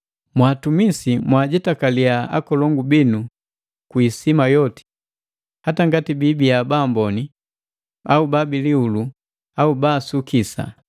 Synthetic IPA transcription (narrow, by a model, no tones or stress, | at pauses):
mwaːtumisimwaɟɛtakaliaa̰kɔlɔŋɡubinu | kwisimajɔti̥ | hataŋɡatibibijabaːmbɔni | aubabiliulu | aubaːsukisa̰